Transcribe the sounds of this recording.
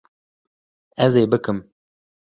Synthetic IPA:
ɛzeːbɨkɨm

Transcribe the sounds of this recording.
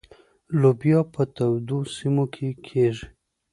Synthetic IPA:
lobjɑpət̪awd̪osimokʰekʰeʐi

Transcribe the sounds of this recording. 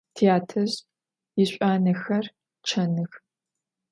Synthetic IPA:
tʰiaːtʰɐʑ | jɪɕʷʼaːnɐxɐr | t͡ʃʰɐnɨx

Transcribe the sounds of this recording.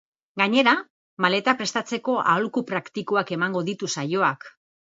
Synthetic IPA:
ɡaɲe̞ɾa | male̞t̪apɾe̞st̪at͡se̞ko̞ʔa̰olkupɾakt̪ikoake̞maŋɡo̞ðit̪usajo̞ak

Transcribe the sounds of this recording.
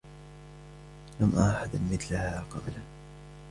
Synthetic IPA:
lamʔaħad̪anmɪθlahaqɑbla

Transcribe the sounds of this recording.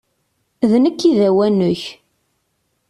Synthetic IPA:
ðnəkːiðæwænʊç

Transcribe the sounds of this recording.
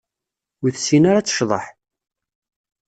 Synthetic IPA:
wiθsinaɾat͡sːə̥ʃðˤɑ̰ħ

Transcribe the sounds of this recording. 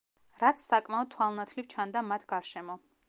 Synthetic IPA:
ɾat̪sʰsakʼmaɔd̪̥̚t̪ʰwalˠnat̪ʰlivt͡ʃʰand̪amat̪ʰɡ̥aɾʃɛmɔ

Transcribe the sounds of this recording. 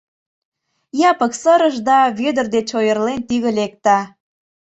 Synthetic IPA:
jɑpəksəɾəʃd̪ɑβød̪ərd̪et͡ɕojərlent̪yɣə̆lek̚t̪ɑ

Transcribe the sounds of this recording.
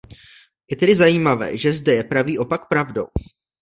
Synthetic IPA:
jɛt̪ɛdɪzajiːmavɛ̰ːʒɛzdɛjɛpɾaviːʔo̞pakpɾavdo̞̰w

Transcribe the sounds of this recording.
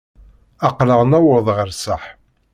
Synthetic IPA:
ɑqləʁnæwəðˤʁəɾsəħ

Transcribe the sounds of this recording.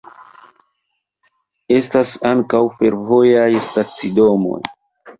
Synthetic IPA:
e̞stasaŋkawfe̞ɾvo̞jajstat͡sido̞mo̞̰j

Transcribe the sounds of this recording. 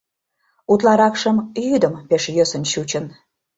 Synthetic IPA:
ut̪lɑɾɑkʃəmjyd̪əmpeʃjøsənɕut͡ɕən

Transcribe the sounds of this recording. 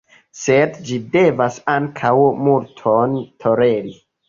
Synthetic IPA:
sedd͡ʒide̞vasaŋkʰawmultʰo̞ntʰo̞ɾe̞ɾi

